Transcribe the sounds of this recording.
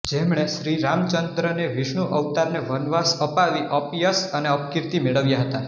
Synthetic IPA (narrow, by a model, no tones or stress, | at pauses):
d͡ʒemɽeʃɾiɾamt͡ʃənd̪ɾəneʋiʃɳ̃uʔəʋt̪aɾneʋənʋasəpaʋiʔəpjəsəneəpkɪɾt̪imeɭəʋjaɦət̪a